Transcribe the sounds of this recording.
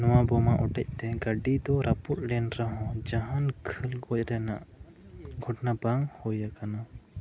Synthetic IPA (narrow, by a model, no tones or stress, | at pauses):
nɔwabɔmaʔɔʈɛc̚ˀt̪ɛɡaɖid̪ɔɾaput̪̚ˀɾɛnɾaɦɔ̃d͡ʒaɦankʰəlɡɔc̚ˀɾɛna̰ʔ | ɡʱɔʈnabaŋhɔjakana